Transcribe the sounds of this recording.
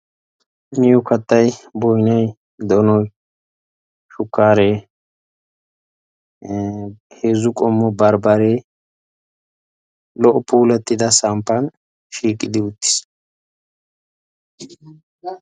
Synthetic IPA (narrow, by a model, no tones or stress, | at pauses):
mɪjʊkɐt̪ːɐjbɔjnɐj | d̪ɔnɔj | ʃʊkːaːɾeː | heːzʊkʼɔmːɔbɐɾbɐɾe | lɔʔɔpuːlɛt̪ːɪd̪ɐsampːɐn | ʃiːkʼːɪd̪ɪʊt̪ːɪ̥s